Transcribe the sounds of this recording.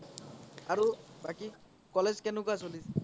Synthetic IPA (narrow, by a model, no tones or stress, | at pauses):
aɹubaki | kɔlezkɛnʊkasolis